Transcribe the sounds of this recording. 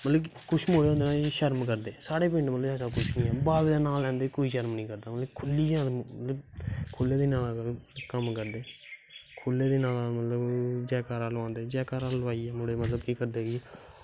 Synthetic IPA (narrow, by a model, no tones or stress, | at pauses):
mət̪ləbkʊt͡ʃʰmoːɽeːõːnd̪eːnaːʃəɾmkəɾd̪eːsaːɽeːp̬ɪ̃ɳɖmət̪ləbɛːsaːkʊt͡ʃʰnĩːɛːbaːʋeːd̪aːnaːlɛ̃ːnd̪eːkoːiːʃəɾmnĩːkəɾd̪aːmət̪ləkʰʊlːiːd͡ʒãːmət̪ləbkʰʊlːeːd̪eːnaːlalkəmkəɾd̪eːkʰʊlːeːd̪eːnaːlamət̪ləbd͡ʒɛːkaːɾãːləãːnd̪eːd͡ʒɛːkaːɾãːlʋaːiːɛːmoːɽeːmət̪ləb̚kiːkəɾd̪eːɡi